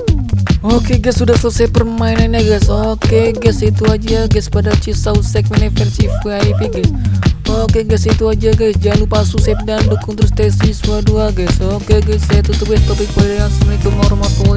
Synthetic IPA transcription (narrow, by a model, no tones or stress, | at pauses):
okeɡasːudahsosapərmainanaɡajsokeɡɛsit̪uad͡ʒaɡaspadat͡ʃisausɛk̚mɛnefɛrsifkeaipiɡasokeɡɛsit̪uad͡ʒaɡajsd͡ʒalupasusɛp̚dandukʊŋt̪əɾʊst̪ɛsisuaduaɡajsokeɡajsːajat̪ut̪əp̚ɡɛst̪opɪk̚padajasəmlikəmŋoɾɔmat̪o